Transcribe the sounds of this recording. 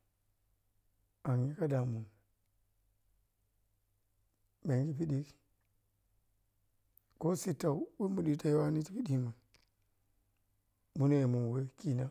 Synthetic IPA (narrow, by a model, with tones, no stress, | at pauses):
a˨ŋji˦ka˦da˨mu˨n | be˨ŋɡi˦pi˦ɗi˦k | ko˦si˦ta˨u˦wo˦mu˨ɗi˨ta˦jwa˦ni˦ti˦pi˦di˦ma˨ | mu˦ne˦˨mu˨n˨we˦ki˦na˦